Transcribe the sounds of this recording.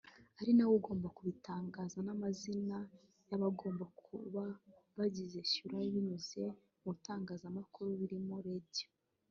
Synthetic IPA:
aɾinawoɡo̞ːmbakuβitaːŋɡazanamazina | jaβaɡo̞ːmbakʰṵβaβaɟize̞ʃuɾaiβiɲuze̞ | mutaːŋɡaːzamakuɾuβiɾimoɾeɟe̥

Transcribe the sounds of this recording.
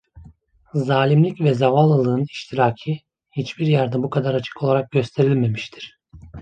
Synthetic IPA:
zaːlʲimlʲicvɛzavalˠːɯlˠɯːniʃt̪ʰiɾaːcʰɯ | hit͡ʃbiɾjæɾd̪ɛbukʰad̪aɾat͡ʃʰɯ̥kʰolˠaɾak̚ɟø̞st̪ʰe̞ɾilʲme̞miʃt̪ʰiɾ̥

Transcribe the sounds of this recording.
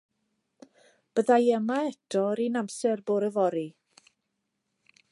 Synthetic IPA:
b̥əðajəmaɛtʰɔɾinamsɛrboːɾəvɔɾi

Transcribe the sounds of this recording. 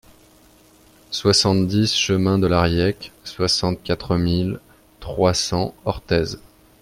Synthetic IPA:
swasɑ̃t̪d̪isʃəmɛ̃d̪əlaʁjɛkswasɑ̃t̪̚kʲat̪χəmil | t̪χwasɑ̃ɔʁt̪ɛz

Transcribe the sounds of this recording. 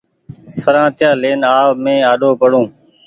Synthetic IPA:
səɾãːt̪ɪjãːleːnaːʋmẽːaːɗoːpəɽõː

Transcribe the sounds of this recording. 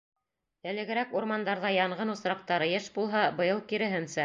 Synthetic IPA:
ɘ̆lɘ̆ɡɘ̆ɾækuɾmɑnd̪ɑɾðɑjɑɴʁɤnŭsɾɑq̚t̪ɑɾɤjɘʃbulˠɦɑbɤ̆jɤlˠkiɾɘ̆ɦɘ̆nsæ

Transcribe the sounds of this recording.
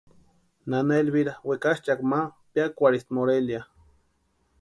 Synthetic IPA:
nanelβiɾawekaʃt͡ʃakmapjakʷaɾist̪moɾelja

